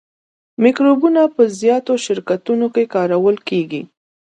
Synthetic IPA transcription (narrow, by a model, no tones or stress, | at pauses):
mikɾobunapəzjɑt̪oʃɪɾkat̪unokekɑɾawəlkeɡi